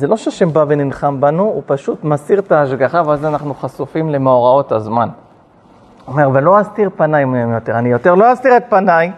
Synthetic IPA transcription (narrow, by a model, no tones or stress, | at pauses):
zelo̞ʃeʃembaveninχambanuupaʃut̪masiʁtaːʃɡaχaveazanaχnuχasufimle̞meoʁao̞tazman | ome̞ʁvelo̞ast̪iʁpanajmemjo̞t̪eʁanijo̞t̪e̞ʁlo̞ast̪iʁet̪̚panaj